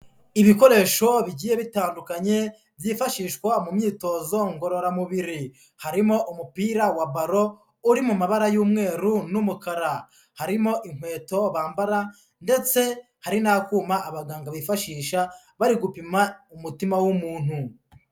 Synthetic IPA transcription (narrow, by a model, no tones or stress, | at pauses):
iβiko̞ɾe̞ːʃo̞βiɟiːje̞βitaːndukaɲe̞ | βjifaʃiːʃkwamumɲiːto̞zo̞ŋɡo̞ɾo̞ɾamuβiɾi | haɾimo̞ʔumupiːɾawaβaɾo̞ | uɾimumaβaɾajuːmŋe̞ːɾunumukaɾa | haɾimo̞ʔiŋ̥we̞ːto̞βaːmbaɾa | nde̞t͡se̞ | haɾinakuːmaʔːβaɡaːŋɡaβifaʃiːʃa | βaɾiɡupimaumutimawumuːn̥hu